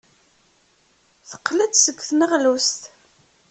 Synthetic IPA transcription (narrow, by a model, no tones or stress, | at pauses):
θə̥qːlæt͡ssəɡːθnəʁlust̪